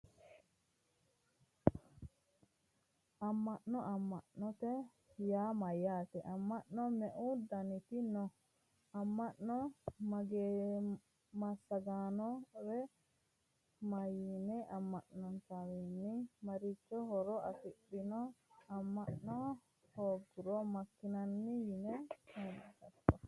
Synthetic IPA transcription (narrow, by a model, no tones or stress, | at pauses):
ʔamːaʔnːɔʔamːaʔnɔt̪ɛ | jaːmajːaːt̪ɛʔamːaʔnɔmɛʔud̪anit̪inɔ | amːaʔnɔmaɡeː | mɐsːɐɡaːnɔɾɛ | mɐjinɛʔɐmːɐʔnɔnt̪awinːɪmɐɾɪt͡ʃːɔhɔɾɔɐfɪɓːɪnɔɐmːɐʔnɔ | hoːɡʊɾɔmɐkːɪnɐnːɪjɪnɛɛːnɐtɐt̪ːɔ